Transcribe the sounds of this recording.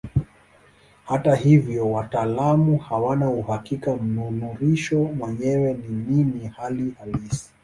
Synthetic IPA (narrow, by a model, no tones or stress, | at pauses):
hatahivjɔwataːlamuhawanauhakikam̩nunuɾiʃɔmwɛɲɛwɛnininihalihalisi̥